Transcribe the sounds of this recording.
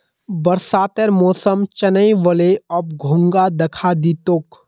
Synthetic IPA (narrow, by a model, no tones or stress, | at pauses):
bɐɾsaːt̪əɾmɔːsəmt͡ʃɐnəiʋəleɔb̚ɡʱʊ̃ŋɡad̪ɐkʰad̪iːt̪ok